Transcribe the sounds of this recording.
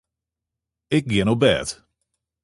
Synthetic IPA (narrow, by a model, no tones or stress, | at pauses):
ɪk̚ɡɛñobɛ̰t